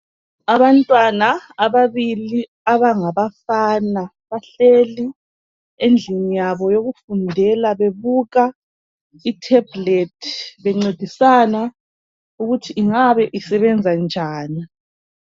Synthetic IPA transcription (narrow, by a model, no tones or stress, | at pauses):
aβantʼwanaːβaβili | aβaŋaβafaːna | βaɬeli | end͡ɮʱiɲijaβɔjoɣufundʱɛlaβeβuɣa | itʰɛbletʰiβɛŋ͡ǀed̥ʱisana | uɣutʰiʔːŋaβɛʔisɛβɛnd͡zʱand͡ʒʱaːni